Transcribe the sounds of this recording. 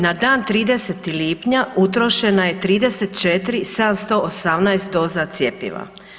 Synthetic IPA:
nad̪aːnt̪ɾiːd̪e̞set̪iliːpɲaut̪ɾo̞ʃe̞naje̞t̪ɾiːd̪e̞set̪t͡ʃet̪ɾised̪amst̪o̞ʔosamnajst̪̚d̪o̞ːzat̪sje̞pḭʋa̰

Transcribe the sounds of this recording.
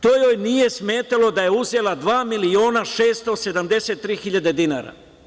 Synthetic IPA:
t̪ojojnije̞sme̞ːt̪alo̞d̪ajeuze̞lad̪ʋaːmilio̞ːnaʃeːst̪o̞se̞d̪amd̪e̞set̪ːɾiːxiʎad̪e̞d̪ina̰ːɾa̰

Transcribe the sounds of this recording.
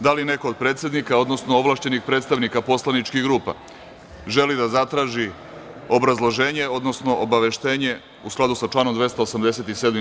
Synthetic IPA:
d̪aline̞ko̞ːd̪̚pɾe̞ːt̪sʲe̞d̪nikaod̪no̞sno̞oʋlˠaːʃt͡ɕe̞nixpɾet̪st̪aʋnikapo̞slˠanit͡ʃkiɣɡɾuːpa̰ | ʒe̞lid̪azat̪ɾaːʒi | o̞bɾazlˠoʒe̞ːɲe̞o̞d̪no̞sno̞ʔobaʋe̞ʃt̪e̞ːɲe̞ | usklad̪usat͡ʃlaːnomd̪ʋe̞st̪aosamd̪e̞se̞t̪iseːd̪mi

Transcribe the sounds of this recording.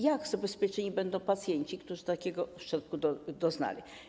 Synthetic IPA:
jaɡzabɛspʲjɛt͡ʂɛɲibɛnd̪ɔ̃w̃pat̪sʲjɛɲt͡ɕikt̪uʐɨt̪akʲɛɡɔfʂɛlkud̪ɔd̪ɔzna̰lʲi

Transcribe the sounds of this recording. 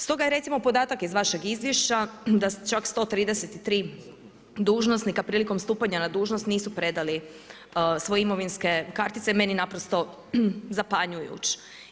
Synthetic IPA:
st̪o̞ɡajeɾe̞t̪simo̞po̞d̪aːt̪akizʋaʃe̞ɡizʋje̞ʃt͡ɕad̪ast͡ʃakst̪o̞t̪ɾiːd̪e̞set̪it̪ɾiː | d̪uːʒno̞snikapɾiːliko̞mst̪uːpaɲanad̪uːʒnost̪niːsupɾe̞d̪ali | sʋojeimo̞ʋinske̞kaɾt̪it̪se̞me̞ninapɾo̞st̪o̞ | zapaɲujṵt͡ɕ

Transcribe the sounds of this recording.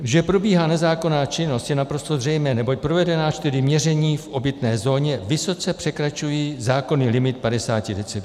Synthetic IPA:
ʒɛpɾo̞biːɦaːnɛzaːko̞naːt͡ʃɪno̞st̪jɛnapɾo̞st̪o̞zr̝ɛjmɛːnɛbo̞c̚pɾo̞vɛdɛnaːt͡ʃt̪ɪɾɪmɲɛrɛɲiːfʔo̞bɪt̪nɛːzo̞ːɲɛvɪso̞t͡sɛpr̥ɛkɾat͡ʃujiːzaːko̞niːlɪmɪt̪̚padɛsaːcɪdɛt͡sɛb

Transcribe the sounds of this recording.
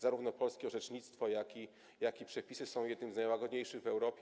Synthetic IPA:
zaɾuvnɔpɔlskʲɛɔʐɛt͡ʂɲit̪st̪fɔjakʲi | jakʲipʂɛpʲisɘsɔ̃w̃jɛd̪nɘmznajwaɡɔd̪ɲejʂɘɣvɛwɾɔpʲ

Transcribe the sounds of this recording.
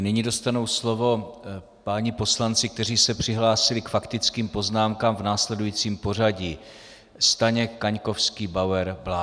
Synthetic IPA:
nɪɲido̞st̪anowslo̞vo̞ | paɲɪpo̞slant͡sɪkt̪ɛriːsɛpr̝̥ɪɦlaːsɪlɪkfakt̪ɪt͡skiːmpo̞znaːmkaːmvnaːslɛdujiːt͡siːmpo̞r̝aɟiː | st̪aɲɛkaɲko̞fskiːbawɛɾblaː

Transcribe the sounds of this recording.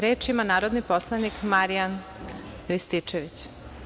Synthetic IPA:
ɾeːt͡ʃimanaːɾo̞d̪nipo̞slˠanikmaɾijan | ɾist̪it͡ʃeʋit͡ɕ

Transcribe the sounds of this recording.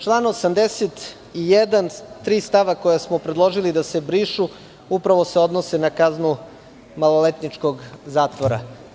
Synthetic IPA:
t͡ʃlˠanosamd̪eset̪ | ijed̪ant̪ɾiːst̪aʋakojasmopɾed̪lˠo̞ʒilid̪ase̞bɾiːʃu | upɾaʋo̞se̞o̞d̪nosenakaznu | malolet̪nit͡ʃko̞ɡzaːt̪ʋoɾa̰

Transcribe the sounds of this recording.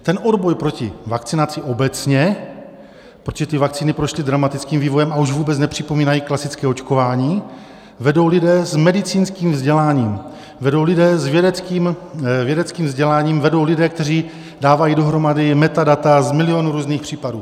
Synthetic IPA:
t̪ɛnʔodbo̞jpɾo̞cɪ̰vakt͡sɪnat͡sɪʔo̞bɛt͡sɲɛ | pɾot̪oʒɛt̪ɪvak̚t͡siːnɪpɾoʃlɪdɾamat̪ɪt͡skiːmviːvo̞jɛmauʒvuːbɛt͡snɛpr̝̥ɪpo̞miːnajiːklasɪt͡skɛːot͡ʃko̞vaːɲiː | vɛdo̞wlɪdɛːzmɛdɪt͡siːnskiːmvzɟɛlaːɲiːm | vɛdo̞wlɪdɛːzvjɛdɛt͡skiːmvjɛdɛt͡skiːmvzɟɛlaːɲiːmvɛdo̞wlɪdɛːk̚t̪ɛriː | daːvajido̞ɦɾo̞madɪmɛt̪adat̪azmɪlɪo̞nuɾuːzniːxpr̥iːpadṵː

